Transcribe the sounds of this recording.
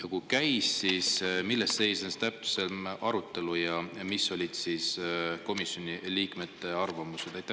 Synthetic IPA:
jɑkukæjsːismilːesse̞jsenst̪æp̚t̪u̥se̞lmɑɾut̪ːˑe̞lujɑmisːo̞lʲid̪̥sisko̞misʲːjo̞nʲiliːkme̞t̪ːˑe̞ɑrvɑmused̪æjt̪ːˑæ

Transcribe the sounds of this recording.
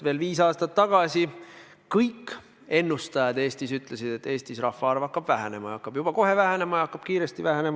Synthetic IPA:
ve̞ːlviːsɑːst̪ɑt̪ːɑɡ̥ɑsʲi | kɤjkː | e̞nːust̪ɑjɑd̪̥e̞ːst̪isyt̪ˑle̞sid̪̥e̞t̪ːˑe̞ːst̪isrɑfːɑɑrvɑkːɑb̥væɦæne̞mɑjɑkːɑb̥jub̥ɑkoɦe̞væɦene̞mɑjɑkːˑɑb̥kiːɾe̞st̪ivæɦæne̞mɑ

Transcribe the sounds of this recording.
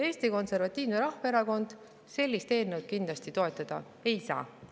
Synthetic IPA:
e̞ːst̪iko̞nse̞rvɑt̪ʲˑːiːvneɾɑhvɑeɾɑko̞nd̪̥ | se̞lʲːist̪e̞ːnewd̪̥̚kind̪lɑst̪it̪o̞e̞t̪ːˑɑd̪̥ɑ̰ | e̞jsɑ̰ː

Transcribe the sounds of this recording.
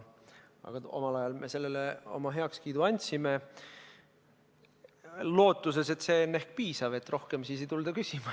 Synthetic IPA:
ɑ̰ɡ̥ɑo̞̰mɑlɑjɑlmʔe̞se̞lːeleo̞̰mɑɦe̞ɑkskiːd̪uɑnʲt̪ʲsime | lo̞ːt̪ːˑus̬e̞se̞t̪se̞ːonːe̞hkpiːsɑve̞t̪ːˑro̞hke̞msiːs̬ejt̪uld̪ɑkysʲimɑ

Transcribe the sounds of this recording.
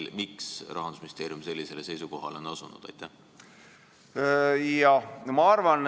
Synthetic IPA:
lmiksrʔɑ̰ɦɑnd̪u̥sminist̪eːɾijumse̞lːise̞lese̞jsuko̞ɦɑleo̞nɑsunṵd̪̥ɑ̰jt̪ːæh | jɑmɑɑrvɑn

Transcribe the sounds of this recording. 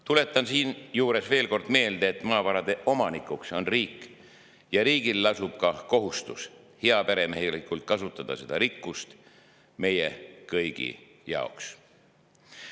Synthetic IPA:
t̪ule̞t̪ːˑɑnsiːnjuːɾe̞sve̞ːlko̞rd̪̥me̞ːld̪̥eːt̪ːˑmɑːvɑɾɑd̪̥e̞ʔo̞mɑnikːˑukso̞nriːkː | jɑɾiːɡilːɑsub̥kɑko̞ɦust̪us | heɑpeɾe̞mehilikːˑult̪̚kɑsut̪ːˑɑd̪̥ɑ̰se̞d̪ɑɾikːˑust̪ | me̞jḛkɤjɡ̥ḭ | jɑ̰oks

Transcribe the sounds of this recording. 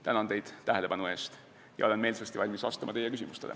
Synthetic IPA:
t̪ænɑnt̪e̞jd̪̥t̪æɦele̞pɑnue̞ːst̪ | jɑ̰o̞le̞nmeːlsest̪ivɑlʲmisɑst̪ɑmɑ̰t̪e̞jːe̞kysimust̪e̞̰lḛ

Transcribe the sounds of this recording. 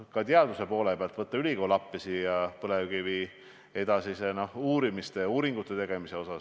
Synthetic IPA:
kɑt̪eɑd̪usepo̞ːle̞peɑlt̪vɤt̪ːɑylʲiko̞ːlɑpːisijɑpɤleɡ̥iviː | e̞d̪̥ɑsise̞no̞huːɾimist̪e̞uːɾiŋɡ̥ut̪ːˑe̞t̪e̞ɡ̥e̞mise̞o̞sɑs

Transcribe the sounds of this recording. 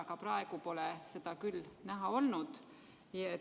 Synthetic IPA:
kɑprɑe̞ɡ̥upo̞lese̞d̪̥ɑkylnæɦɑo̞lnud̪̥ | je

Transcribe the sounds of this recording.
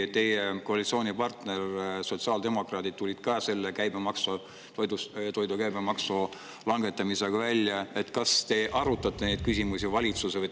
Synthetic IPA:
t̪e̞jeko̞ɑlit̪sio̞ːnʲipɑrt̪ne̞rsot̪siɑːld̪e̞mo̞krɑːd̪id̪̥̚t̪ulʲid̪̥kɑːse̞lːekæjbe̞mɑkso | t̪ojd̪ust̪o̞jd̪ukæjbemɑkso | lɑŋɡe̞t̪ːˑɑmise̞ɡ̥ɑvælʲjɑe̞t̪ːkɑst̪e̞ʔɑɾut̪ːˑɑt̪ːˑe̞nejd̪̥̚kysʲimusʲivɑlʲit̪susevɤj

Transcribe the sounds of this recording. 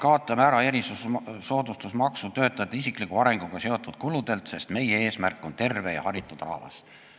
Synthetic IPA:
kɑːt̪ˑːɑmæɾɑjæɾisusso̞ːd̪ust̪usmɑksut̪ø̞ːt̪ːˑɑd̪̥ɑisiklikˑuɑɾe̞ŋɡ̥uɡ̥ɑse̞o̞t̪ːˑud̪̥kulud̪̥e̞lt̪se̞st̪me̞jee̞ːsmærkːˑo̞nt̪e̞rve̞jɑ̰hɑɾit̪ːˑud̪̥rɑ̰hvɑ̰s

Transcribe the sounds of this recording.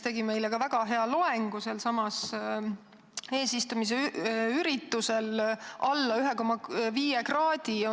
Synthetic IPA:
t̪e̞ɡime̞jlekɑvæɡ̥ɑɦe̞ɑlo̞eŋɡ̥uselsɑmɑs | e̞ːsist̪umis̬eyyɾit̪ːuse̞lʔɑlːɑyɦeko̞mɑviːjekrɑːd̪̥io

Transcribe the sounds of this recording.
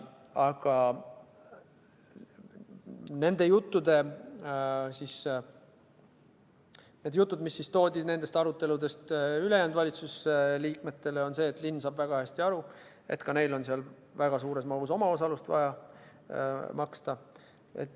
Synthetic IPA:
ɑɡ̥ɑ | ne̞nd̪̥e̞jut̪ːud̪̥e̞ | sis | ne̞d̪̥jut̪ːˑud̪̥misːist̪o̞ːd̪ʲisne̞nd̪e̞st̪ɑɾut̪ːe̞lud̪e̞st̪ylejænd̪̥vɑlʲit̪susliːkme̞t̪ːe̞le̞o̞nse̞ːt̪ˑlinːsɑːbvæɡ̥ɑhæsʲt̪iɑɾu | e̞̰t̪kɑne̞jlo̞nseɑl | væɡ̥ɑs̬uːɾe̞smɑɡuso̞mɑo̞sɑlust̪vɑ̰jɑ | mɑkst̪ɑ | ḛt̪ː

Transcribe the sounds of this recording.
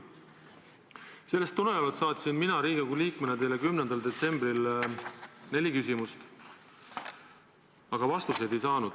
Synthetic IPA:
se̞lːest̪ːunelevɑlt̪sɑːt̪ʲsinminɑɾiːɡekuliːkmenet̪elekymnend̪ɑld̪e̞t̪se̞mbril | ne̞lʲikysʲimust̪ | ɑɡ̥ɑvɑst̪use̞d̪e̞jsɑːnud̪̥

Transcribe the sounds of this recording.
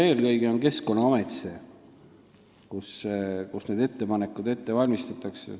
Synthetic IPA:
e̞ːlkɤjɡ̥eo̞nke̞sko̞nːɑɑmet̪se | kuskusne̞ːd̪e̞t̪ːe̞pɑnekːˑud̪̥e̞t̪ːevɑlʲmist̪ɑt̪ːˑɑksḛ

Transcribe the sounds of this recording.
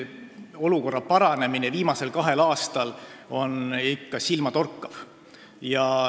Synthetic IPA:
o̞luko̞rːɑpɑɾɑne̞mineviːmɑse̞lkɑɦe̞lɑːst̪ɑlo̞nikːɑsilmɑt̪o̞rkːˑɑv̥ | jɑ

